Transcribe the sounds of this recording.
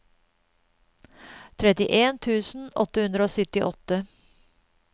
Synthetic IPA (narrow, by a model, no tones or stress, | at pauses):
t̪ʰɾɛt̪ɪʔeːnt̪ʰʉːsn̩ɔt̪əhʉnd̪ɾəoːsœt̪ɪʔɔt̪ə